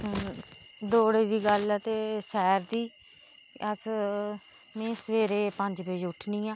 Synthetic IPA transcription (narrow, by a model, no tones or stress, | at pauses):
d̪oːɽeːd̪iːɡəlɛt̪eːsɛːɾd̪iː | əs | mɛ̃ːsəʋeːɾeːpə̃ɲd͡ʒbeːd͡ʒʊʈʰnĩːãː